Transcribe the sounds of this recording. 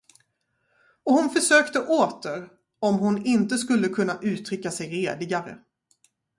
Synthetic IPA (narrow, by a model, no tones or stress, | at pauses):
ɔhʊnfœʂøːkt̪əʔoːt̪əɾ | ɔmɦʊnɪnt̪əskɵlːəkʰɵnːaʔʉ̟ːt̪ʰɾʏkːasɛjɾeːd̪lɪɡaɾə̰